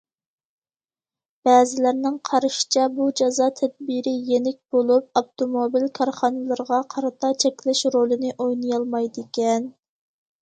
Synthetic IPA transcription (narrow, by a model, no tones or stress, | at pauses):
b̥ɛːzɪlæɾnɪŋqʰɑɾɨʃi̥t͡ʃʰɛbud͡ʒɑzɑːt̪ʰɛd̪̚biɾɪjenɪk̚ʲb̥olˠup̚ɑft̪omobilkʰɑɾχɑnɨlˠɨɾʁɑqʰɑɾɨt̪ʰɑt͡ʃʰɛkʲlɪʃɾolˠɨnɪʔojnɨjɑlˠmɑjd̪ɪkʲɛn